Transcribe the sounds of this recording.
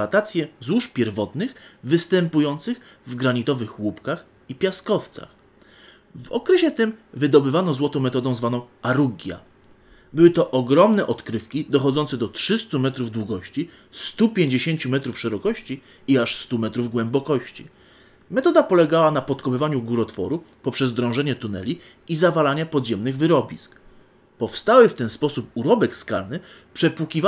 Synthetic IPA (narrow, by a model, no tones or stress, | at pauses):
at̪at̪sʲjɛzwuʂpʲjɛɾvɔt̪nɘxvɘst̪ɛmpujɔnt̪sɘx | vɡɾaɲit̪ɔvɘxwupkax | ipʲjaskɔft̪sa̰x | vɔ̰kɾɛɕɛt̪ɘmvɘd̪ɔbɘvanɔzwɔt̪ɔ̃w̃mɛt̪ɔd̪ɔ̃w̃zvanɔ̃w̃aɾuɡʲja̰ | bɘwɘt̪ɔʔɔɡɾɔmnɛʔɔt̪kɾɘfkʲid̪ɔxɔd̪zɔnt̪sɛd̪ɔtʂɘst̪umɛt̪ɾuvd̪wuɡɔɕt͡ɕi | st̪upʲjeɲd͡ʑeɕeɲt͡ɕumɛt̪ɾufʂɛɾɔkɔɕt͡ɕi | iaʂst̪umɛt̪ɾuvɡwɛmbɔkɔɕt͡ɕḭ | mɛt̪ɔd̪apɔlɛɡawanapɔt̪kɔpɘvaɲuɡuɾɔt̪fɔ̰ɾupɔpʂɛzd̪ɾɔ̃w̃ʐɛɲɛt̪un̪ɛ̰lʲi | izavalaɲɛpɔd̪ʑɛmnɘɣvɘɾɔbʲisk | pɔfst̪awɘft̪ɛnspɔsup̚uɾɔbɛkska̰lnɘ | pʂɛpwukʲiv